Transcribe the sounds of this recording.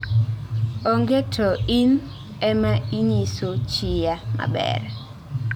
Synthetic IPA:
oŋɡetʰɔin | ɛmaiɲisot͡ʃɪjama̰bɛ̰r

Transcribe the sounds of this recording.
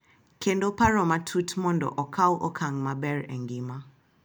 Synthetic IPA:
kʰendopaɾɔmatʰutʰmɔndɔ̰ʔɔkʰawʔɔkʰaŋmabɛɹɛ̰ŋɡima

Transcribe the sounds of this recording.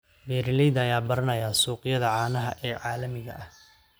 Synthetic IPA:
bɛːɾɪlɛjd̪ɐjaːbɐɾɐnɐjaːsuːqɪjɐðɐʕɑːnɐɦɐ̰ʔɛːʕaːlɐmɪɣɐ̰ʔɐh

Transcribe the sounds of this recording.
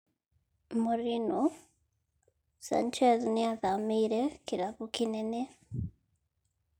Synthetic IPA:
muɾino | sa̰nt͡ʃeziniaðamiːɾekiɾaβukinene

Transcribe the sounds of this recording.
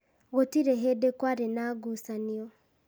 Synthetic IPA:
ɣotiɾeɦedekwaɾenaɡusaniɔ

